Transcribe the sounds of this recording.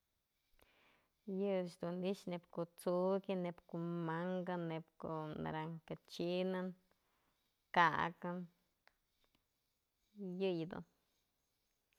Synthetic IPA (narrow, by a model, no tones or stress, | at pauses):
jɨʃd̪onliʃnepkot͡sukinepkumaŋɡanepko̰na̰ɾaŋkat͡ʃinan | ka̰kan | jɨjd̪o̰n